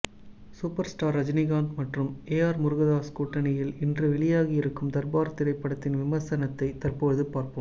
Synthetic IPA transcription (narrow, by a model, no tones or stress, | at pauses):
suːpɐɾsʈaːɾːɐd͡ʒnɪɣaːndmɐʈrɯmeːaːɾmʊɾɯɣɐðaːskuːʈːɐnɪjɪlɪndrɯʋɪɭɪjaːɣɐɪɾɯkːɯmt̪ɐɾbaːɾɐt̪ːɪɾɐɪpːɐɽɐt̪ːɪnʋɪmɐɾsɐnɐt̪ːɐɪt̪ɐrpoːðɯpaːɾpɯm